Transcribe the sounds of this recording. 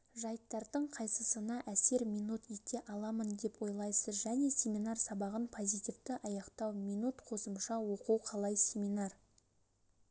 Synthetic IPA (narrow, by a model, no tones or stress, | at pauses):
ʒɑjt̪ːɑɾd̪əɴqʰɑjsəsənɑʔæse̞ɾmʲijnut̪jek̪ʲe̞ʔɑlˠɑmənd̪e̞pwo̞jlˠɑjsəzʒæne̞sʲe̞mʲinɑrsɑbɑʁənpʰo̞zʲijt̪ʲivd̪ɪʔɑjɑqt̪ɑwmʲijnut̪qʰo̞səmʃɑwo̞quwqʰɑlˠɑjsʲe̞mʲinɑr